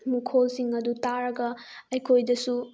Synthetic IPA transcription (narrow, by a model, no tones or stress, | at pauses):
mukʰolsiŋɐdutaɾɐɡɐɐjkʰojdɐsu